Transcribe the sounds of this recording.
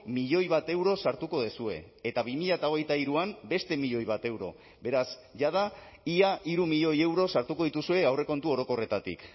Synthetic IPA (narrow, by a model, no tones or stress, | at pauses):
miʎo̞jβat̪e̞wɾo̞saɾt̪uko̞ð̞esue̞et̪aβimiʎat̪ao̞ɣ̞e̞jt̪aiɾuambe̞st̪e̞miʎo̞jβ̞at̪e̞wɾo̞̰ | be̞ɾasʝað̞a | iaʔiɾumiʎo̞je̞wɾo̞saɾt̪uko̞ðit̪usue̞awre̞ko̞nt̪uo̞ɾo̞ko̞re̞t̪at̪ḭk